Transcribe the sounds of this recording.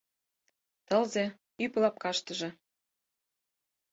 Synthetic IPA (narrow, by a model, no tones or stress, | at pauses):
t̪ɤ̆lze | yplɑp̚kɑʃt̪ə̆ʒĕ